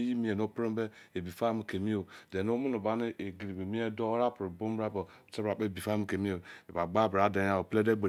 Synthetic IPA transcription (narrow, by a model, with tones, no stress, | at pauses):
ji˦mi˦e˨no˦pɾe˦m˦be˦e˨bi˨fa˦mi˨ke˨mi˦o˨de˨no˦mu˦no˨ba˦ni˦ʔe˨ɡi˨li˨be˨mi˦e˦do˦ɾa˦pɾu˨bo˦m˦ba˦bo˨te˦bɾa˨k͡pe˦˨bi˨fa˦m˨ke˨mi˦o˨e˨ba˨ɡ͡ba˦bɾa˨de˨˦a˦˨o˨ple˦de˦ɡ͡be˨